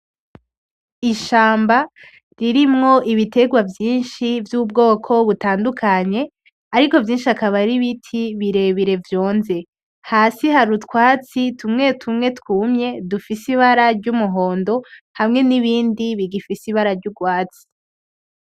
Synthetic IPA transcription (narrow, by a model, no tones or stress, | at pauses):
iʃaːmba | ɾiɾimŋo̞ʔiβite̞ɡwavjiːnʃivjuːb̚ɡo̞ːkʰo̞βutaːndukʰaɲe̞ | aɾiko̞vjiːnʃiakaβaɾiβitʰiβiɾe̞βiɾe̞vjo̞ːnze̞ | haːsihaɾutkwaːt͡sitʰumŋe̞tʰumŋe̞tkwuːmɲe̞dufisiβaɾaɾɟumuɦo̞ːndo̞hamŋe̞niβiːndiβiɡifisiβaɾaɾɟuɡwaːt͡si̥